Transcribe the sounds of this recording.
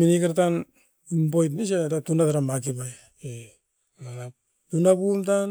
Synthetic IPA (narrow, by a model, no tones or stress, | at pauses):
minikaɾtan | imbojt̬nis̬atatunataɾamakipaj | e | ana | tunapumtan